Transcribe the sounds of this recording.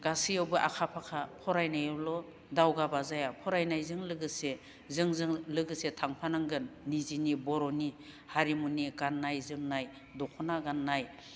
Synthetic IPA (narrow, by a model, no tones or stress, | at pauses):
ɡasijawbɯʔa̰kʰapʰakʰapʰɔɾajnajɯwlɔ | dawɡabazajapʰɔɾajnajzɯŋlɯɡɯse | zɯŋzɯŋlɯɡɯsetʰaŋpʰanaŋɡɯnːizinibɔɾɔni | haɾimuniɡanːajzɯŋnaj | dɔkʰɔnaɡanːaj